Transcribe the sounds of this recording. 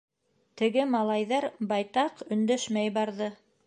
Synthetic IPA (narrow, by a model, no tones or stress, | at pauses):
t̪ɘ̆ɡɘmɑlˠɑjðɑɾbɑjt̪ɑqɵ̆nd̪æʃmæjbɑɾðɤ